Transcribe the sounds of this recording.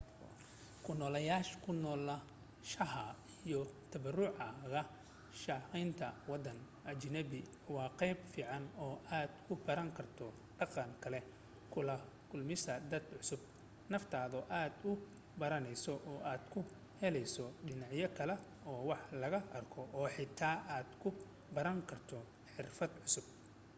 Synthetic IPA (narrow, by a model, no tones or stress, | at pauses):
kʰʊnɔːlɐjaːʃkʰʊnɔːlɐ | ʃɐɦɐijɔt̪ʰɐβɐrʊʕɑɣɐ | ʃɑqijnt̪ʰɐwɑd̪ɐn | ʔɐt͡ʃɪnɐbɪ | wɑːqɛjbfiːʕɑnɔːʔaːd̪kʰʊbɐɾɐŋkʰɐrt̪ʰɔ | ɖɑqɑnkʰɐlɛ | kʰʊlɐ | kʰʊlmɪsɐd̪ɐd̪ʕʊsʊb̚ | nɐft̪ʰaːðɔʔaːd̪ʊ | bɐɾɐnɛjsɔʔɔːʔaːd̪̥kʰʊ | hɛlɛjsɔɖɪnɑʕjɐkʰɐlɛ | ɔːwɑħlɐɣɐʔɐrkʰɔʔɔːħɪt̪ʰaːʔaːd̪̥kʰʊ | bɐɾɐŋkʰɐrt̪ʰɔ | ħɪrfɐd̪ʕʊsʊb̚